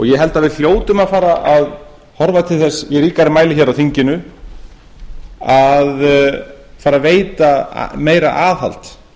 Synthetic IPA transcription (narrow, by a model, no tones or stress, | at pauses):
ɔɣjɛɦɛlt̪aðvɪðθjoːwt̪ʏmaðfaːɾaʔað | hɔɾvat̪ʰɪlθɛsjɛɣɾiːkaɾɪmaːjlɪçɛɾawθiɲcɪnʏ | að | faːɾaveːjt̪a̰meːjɾa̰ʔaːðɦa̰l̥t̪